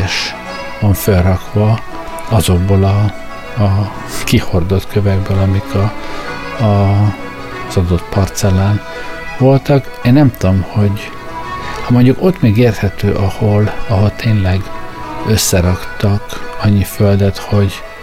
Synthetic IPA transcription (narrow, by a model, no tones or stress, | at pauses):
ɛʃ | vɒɱfølrɒkʋɒ | ɒzo̞ɡ̚bolɒː | kiho̞rd̪o̞t̪kʰøvɛɡ̚bølɒmikʰɒː | z̥ɒd̪o̞t̪pɒrt̪sɛlaːn | vo̞lt̪ɒk | eːnːɛmt̪uomho̞ɟ | hɒmoɲɟuko̞t̪mɛɡeːrt̪hɛt̪øːʔɒholɒɦo̞lt̪ʰeːnlɛɡø̞sːɛɾɒkt̪ɒkɒɲːiføld̪ɛt̪ho̞ɟ